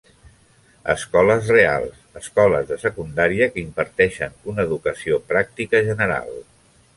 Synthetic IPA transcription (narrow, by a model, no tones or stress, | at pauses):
ə̰skɔləzrea̰lˠsəskɔləzðəsəkund̪aɾiəkəimpəɾt̪ɛʃənunəːðukəsiopɾak̚t̪ikəʒənəɾa̰lˠ